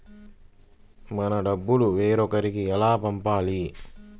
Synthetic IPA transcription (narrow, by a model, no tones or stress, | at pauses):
mɐnɐɖɐbːuluʋeːɾɔkɐɾikiɛlaːpɐmpaːli